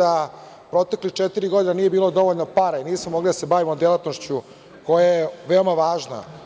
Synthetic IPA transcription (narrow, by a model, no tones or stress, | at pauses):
a | pɾot̪eklixt͡ʃet̪iɾiɡod̪inanije̞biːlˠod̪o̞ʋoʎnopaɾainiːsmomo̞ɡlid̪asebaʋimod̪elˠat̪noʃt͡ɕu | ko̞jajeʋe̞omaʋaːʒna̰